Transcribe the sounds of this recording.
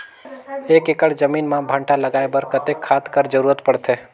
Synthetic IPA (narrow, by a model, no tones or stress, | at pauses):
ekekəɽd͡ʒəmiːnmãbʱəɳʈaləɡaebəɾkət̪ekʰːad̪kəɾd͡ʒəɾuːɾət̪pəɽt̪ʰe